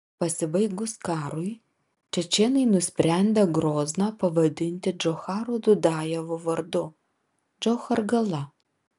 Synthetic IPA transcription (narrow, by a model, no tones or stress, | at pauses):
pɐsʲɪbɐɪɡʊskɑːɾʊɪ | t͡ʃʲɛt͡ʃʲeːnɐɪnʊsʲpʲɾʲæˑnʲd̪ʲɛɡɾoːzʲnɑpɐʋɐd̪ʲɪnʲt̪ʲɪd͡ʒɔxɑːɾod̪ʊd̪ɑːjɛʋoʋɐɾd̪ʊ | d͡ʒoxɐɾɡɐlˠɐ